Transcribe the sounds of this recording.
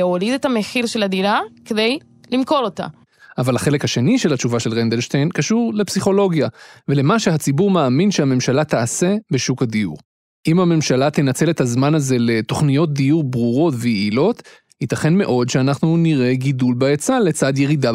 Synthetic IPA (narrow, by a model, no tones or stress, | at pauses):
eolid̪etameχiʁʃelad̪ilakedej | limko̞lot̪a̰ | ʔavalaχe̞lekhaʃe̞niʃe̞lat͡ʃuvaʃe̞lʁend̪elʃt̪ejnkaʃuʁle̞psiχo̞lo̞ɡjavele̞maʃeɦat͡sibuʁmaːminʃehame̞mʃalat̪aːse̞be̞ʃukad̪iṵʁ | ʔimhame̞mʃalat̪enat͡se̞let̪hazmanaze̞le̞t̪o̞χnijo̞t̚d̪ijuʁbʁuʁo̞tvejeilo̞t̪ | hit̪aχe̞nme̞ʔo̞d̪ʃeanaχnuniʁe̞ɡid̪ulbaet͡sale̞t͡sad̪je̞ʁid̪a